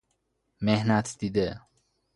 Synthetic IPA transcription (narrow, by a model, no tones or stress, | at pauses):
mehnæt̪ʰd̪iːd̪e